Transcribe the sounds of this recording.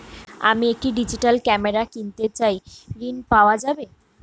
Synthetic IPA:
a̰miek̚ʈiɖid͡ʑiʈalkɛmeɾakint̪et͡ɕajɾinpaoad͡ʑabe

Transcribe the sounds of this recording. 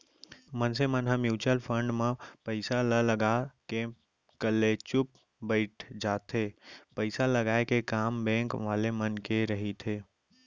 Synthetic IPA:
mənsemənɦamjuːt͡ʃəlpʰə̃ɳɖmẽpəɪsalələɡake | kəlːet͡ʃʊp̚ | bəɪʈʰd͡ʒaːt̪ʰɦeːpəɪsaləɡaːekekaːmbɛ̃ːŋkʋaːlemənkeɾəɦit̪ʰeː

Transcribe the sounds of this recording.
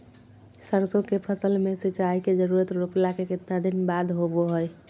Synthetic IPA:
səɾsokepʰəsəlmeset͡ʃaiked͡ʒəɾuɾət̪ɾoplakekit̪nad̪inbad̪ɦoboɦəj

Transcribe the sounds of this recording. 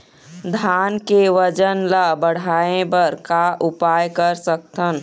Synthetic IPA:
d̪ʱaːnkeʋəd͡ʒənlabəɽ̤aːẽbəɾkaʔʊpaːjkəɾsək̚t̪ən

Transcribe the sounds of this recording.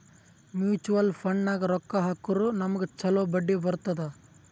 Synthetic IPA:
mjuːt͡ʃuʋɐlpʰɐɳnaːɡɐɾɔkːaɦɐkːuɾunɐmɐɡet͡ʃɐloːbɐɖːibɐɾut̪ɐd̪ɐ

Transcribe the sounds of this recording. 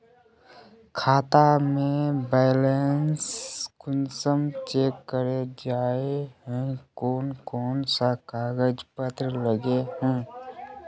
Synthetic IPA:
kʰaːt̪amẽbeɪlenskʊnsəmt͡ʃeːkːəɾed͡ʒaːeɦɛ̃koːnkɔːnsakaːɡəd͡ʒpət̪ɾələɡeɦɛ̃

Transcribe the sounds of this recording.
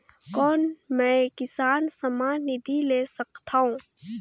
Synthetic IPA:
kɔːnmɛ̃ːkɪsaːnsɐmaːnːɪd̪ʱileːsɐkt̪aːɦũː

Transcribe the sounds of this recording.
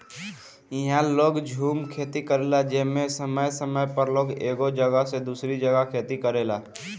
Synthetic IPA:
ɪɦãloːɡd͡ʒʱuːmkʰeːt̪ikəɾelad͡ʒeɦmẽsəməjsəməjpəɾloːɡeːɡod͡ʒəɡəɦsed̪uːsɾid͡ʒəɡəkʰeːt̪ikəɾeːlaː

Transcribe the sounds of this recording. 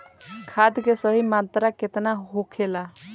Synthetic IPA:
kʰad̪kesəɦimant̪ɾaket̪naɦokʰela

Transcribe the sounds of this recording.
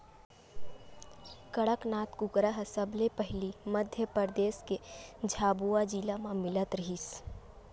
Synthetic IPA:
kəɽəknaːt̪kʊkɾaɦsəblepəɦliməd̪ʱjəpəɾd̪eːsked͡ʒʱaːbuːad͡ʒilamãmɪlət̪ɾəɦis

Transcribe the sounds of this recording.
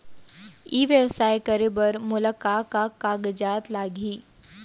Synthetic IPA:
iːʋjəʋsaːjkəɾebəɾmʊləkaːkakaːɡd͡ʒaːt̪laːɡʱiː

